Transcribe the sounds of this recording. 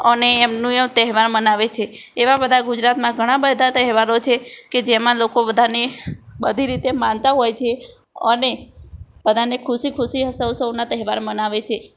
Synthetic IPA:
əneːmnũemt̪əɦʋaɾmənaʋet͡ʃʰe | eʋabəd̪ʱaɡud͡ʒɾat̪mãɡʱəɽ̃ãbəd̪ʱat̪əɦɛʋaɾot͡ʃʰeked͡ʒemãlokobəd̪ʱanebəd̪ʱiɾit̪emãnt̪aɦojt͡ʃʰe | ə̰nebəd̪ʱanekʰuʃikʰuʃiɦəsəwsəwnat̪əɦɛʋaɾmənaʋet͡ʃʰe

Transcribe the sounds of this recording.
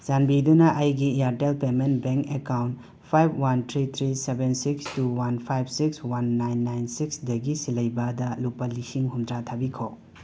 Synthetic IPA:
zanbidunɐʔɐjɡiaɾtelpementbeŋkekawnt | pʰajbwantʰɾit̪ʰɾisebensikstuwanpʰajb̚sikswanːajnːajnsiksdɐɡisilɐjbɐdɐlupɐlisiŋɦumdɾatʰabikʰo

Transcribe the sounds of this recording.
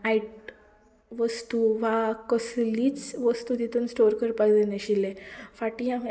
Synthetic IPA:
aiʈ̚ | ʋəst̪uʋakəsliːt͡sʋəst̪uːd̪it̪uːnsʈoɾkəɾpaɡd̪eneɕilːefaʈiã

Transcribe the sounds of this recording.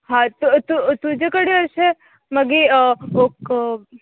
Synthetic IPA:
ɦat̪ot̪ut̪ũd͡ʒekəɽjoɦəʃe | məɡiəbok

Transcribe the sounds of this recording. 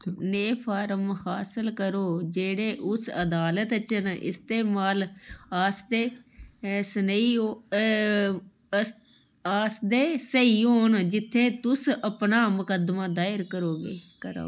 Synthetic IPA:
neːpʰaːɾəmhaːsəlkəɾoːd͡ʒeːɽeːʔʊsə̰d̪aːlət̪t͡ʃənɪ̰st̪eːmaːlaːsd̪eː | səniːoː | aːsd̪eːsəiːoːnd͡ʒɪt̪ʰːeːt̪ʊsəpnaːmʊkəd̪maːd̪aːɪɾkəɾoːɡeːkəɾo̰ː

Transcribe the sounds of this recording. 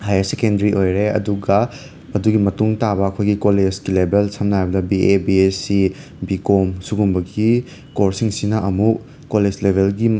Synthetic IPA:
hajɐsekendɐɾiʔojɾeɐ̰duɡɐ | ɐduɡimɐtuŋtabɐɐkʰojɡikoled͡ʒɡilebelsʰɐmnajbɐdɐbiʔebiesi | bikomsuɡumbɐɡi | koɾsiŋsinɐʔɐmuk | koled͡ʒlebʱelɡi

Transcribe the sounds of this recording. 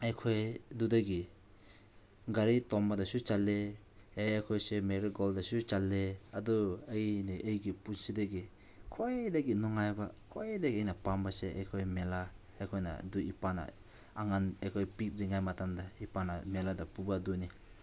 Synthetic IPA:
ajkʰɔjdudaɡi | ɡaɾitɔmbadasut͡ʃalːe | ejajkʰɔjsemeɾiɡɔldasut͡ʃalːeadɔejniʔejɡipunsidaɡi | kʰɔjdaɡinɔŋajbakʰɔjdaɡiejnapambaseajkʰɔjmela | ajkʰɔjna̰duipana̰ | aŋanajkʰɔjpit̚ɾiŋajmatamdaipanameladapubaduni

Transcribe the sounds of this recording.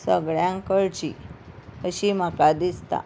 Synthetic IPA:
səɡɭjãŋkəɭt͡ɕḭ | əɕim̤akad̪ist̪a̰

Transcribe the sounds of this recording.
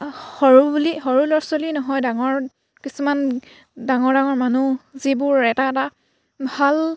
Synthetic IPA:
hɔɹubliɦɔɹulɔɹsolinɔɦɔjdaŋɔɹ | kisuman | daŋɔɹdaŋɔɹmanuzibʊɹɛtaɛta | bʱal

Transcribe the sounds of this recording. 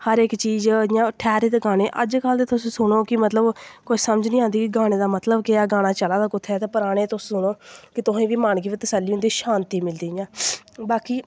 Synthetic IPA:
həɾɪkt͡ʃiːzjãːʈʰɛːɾeːt̪eɡaːneːʔə̰d͡ʒkəld̪eːt̪ʊsĩːsʊɽoːkɪmət̪ləbkoːisəməd͡ʒnĩːãːnd̪iːkɪɡaːɽ̃eːd̪aːmət̪ləbkɪaːɡaːɽ̃aːt͡ʃəlaːd̪aːkʊt̪ʰːɛːt̪eːpəɾaːɽ̃eːt̪ʊsːsʊnoːkɪt̪ʊɦẽːʋiːmaːɳkiːʋiːt̪əsəlːiːɦʊnd̪iːʃaːnt̪iːmɪld̪iːɪjãːbaːkiː

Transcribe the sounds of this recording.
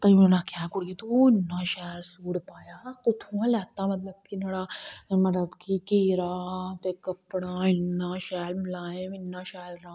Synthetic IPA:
pɐimɐnakjaːkʊɽɡet̪oɪnːaʃaːlsuːɽpaːjakʊt̪ʰuãlɛːt̪amɐt̪̬ləb̚t̪ʰinɐɽamɐt̪lɐbkikeːɾat̪ekɐpɽaːɪnːaːʃɛːlmɪlaːẽɪnːãːʃaːlɾãː

